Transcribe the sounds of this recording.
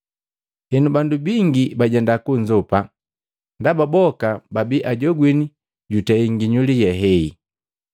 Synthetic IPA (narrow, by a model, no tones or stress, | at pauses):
hɛnubandubiŋɡibaɟɛndakuɲd͡ʒɔpa | ndababɔkababiʔaɟɔɡwini | ɟutɛiŋɡiɲulijɛɦɛi